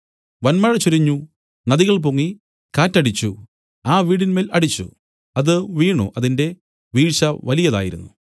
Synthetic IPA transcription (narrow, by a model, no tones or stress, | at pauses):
ʋɐnmɐɻɐt͡ɕuɾiɲːu | nɐðiɣɐɭp̬oŋːi | kaːtːɐɽit͡ɕːu | aːʋiːɽinmeːlɐɽit͡ɕːṵ | ɐðɨʋiːɳṵʔɐðinde̞ | ʋiːɻʂɐʋɐlijɐða̰ːjiɾunːu